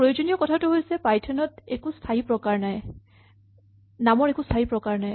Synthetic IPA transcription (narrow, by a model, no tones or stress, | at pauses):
pɹojod͡ʒonijɔkɔtʰatʊɦojsɛpajtʰɔnɔtekustʰaɦipɹɔkaɹnaj | namɔɹɛkustʰaɦipɹɔkaɹnaj